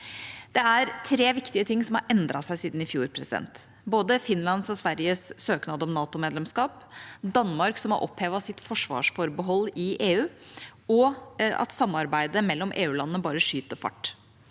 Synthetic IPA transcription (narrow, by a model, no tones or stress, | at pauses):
d̪̥ɛæɾt̪ʰɾeːʋɪkt̪ɪət̪ʰɪŋːsɔmhɑ̰ɾʔɛnd̪ɾɑsæɪsiːd̪n̩ɪfjuːɾpʰɾɛsɪd̪ɛ̰nt̪ | boːd̪əfɪnlɑnsɔsʋæɾɪjəsːøːknɑːd̪əɔmnɑːt̪ʊmeːd̪lɛmskɑːp | d̪ɑnːmɑɾksɔmhɑ̰ɾʔɔ̰pheːʋɑsɪt̪fɔʂʋɑ̰ːʂfɔɾbəɦɔlːɪʔeːʉːɔɑ̰t̪sɑmːɑɾbæɪd̪əmɛlːɔmʔeːʉːlɑnːəbɑːɾəʂyːt̪əfɑ̰ʈː